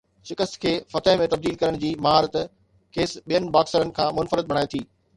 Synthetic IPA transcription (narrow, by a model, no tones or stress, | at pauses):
ʃɪkəst̪kʰeːfɐt̪əɦmẽt̪ɐb̚d̪iːlkɐɾəɽ̃d͡ʑiːmɐɦaːɾət̪ | keːsɓijənɪ̆baːksəɾənɪ̆kʰãːmʊnfəɾəd̪̚ɓɐɽaːet̪ʰiː